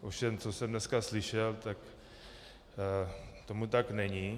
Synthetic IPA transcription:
ʔofʃɛmt͡sosɛmdnɛskaslɪʃɛlt̪ak | t̪o̞mut̪aknɛɲi

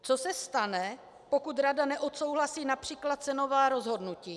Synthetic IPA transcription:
t͡so̞sɛst̪anɛ | po̞kut̪ɾadanɛʔo̞t̪so̞wɦlasiːnapr̝̥iːklat̪̚t͡sɛno̞vaːɾo̞zɦo̞dnuciː

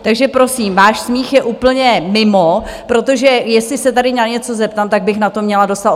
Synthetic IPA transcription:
t̪aɡʒɛpɾo̞siːmvaːʃsmiːxjɛʔuːpl̩ɲɛmɪmo | pɾo̞t̪o̞ʒɛjɛslɪsɛt̪adɪɲaɲɛt͡so̞zɛp̚t̪amt̪aɡ̚bɪxnat̪o̞mɲɛlado̞st̪at̪

